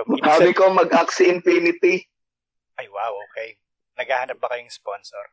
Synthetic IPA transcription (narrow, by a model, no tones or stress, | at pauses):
haːbɪkomɐɡʔaksɪʔɪnpiːnɪt̪i | ʔajwawoːkɛj | nɐɡaːhɐnɐp̚bɐkɐjoŋsponsɔɾ